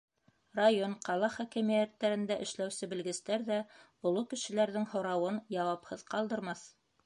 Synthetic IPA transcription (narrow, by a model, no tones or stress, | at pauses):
rajonqɑlˠɑχækɘmijæt̪ːæɾɘ̆nd̪æʔɘ̆ʃlæwsɘbɘ̆lɡɘ̆st̪æɾðæ | ŏlˠukɘ̆ʃɘ̆læɾðɘŋhŏɾɑwɤnjɑwɑphɤðqɑlˠd̪ɤ̆ɾmɑθ